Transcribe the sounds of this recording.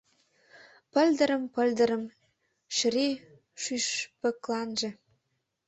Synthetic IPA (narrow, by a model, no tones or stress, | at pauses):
pə̆lʲd̪ə̆ɾə̆mpə̆lʲd̪ə̆ɾə̆m | ʃri | ʃyʃpə̆klɑnʒĕ